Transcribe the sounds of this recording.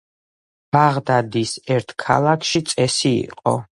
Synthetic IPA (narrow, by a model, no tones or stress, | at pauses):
b̥aʁd̪ad̪isɛɾt̪ʰkʰa̰lˠakʰʃit̪sʼɛsḭːqʼɔ̰